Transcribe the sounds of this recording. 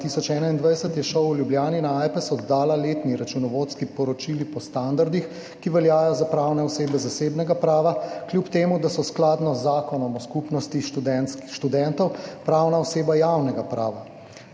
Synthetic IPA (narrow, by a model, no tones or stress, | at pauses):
t̪isɔt͡ʃɛːnaind̪ʋajsət̪jɛʃɔwuljubljaːninaajpɛsɔd̪d̪aːlaleːt̪niɾat͡ʃunɔʋoːt̪skipɔɾɔt͡ʃilipɔst̪and̪aɾd̪ix | kiʋɛljaːjɔzapɾaːwnɛɔseːbɛzaseːbnɛɡapɾaːʋaklʲjupt̪eːmud̪asɔsklaːd̪nɔzːaːkɔnɔmɔskupnɔst̪iʃɛnkʃt̪ud̪ɛnt̪ɔwpɾaːwnaɔseːbajawnɛɡapɾa̰ːʋa